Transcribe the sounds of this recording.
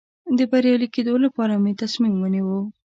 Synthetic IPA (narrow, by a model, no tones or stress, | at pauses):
d̪əbaɾjɑliked̪olapɑɾamet̪asmimwəniwəw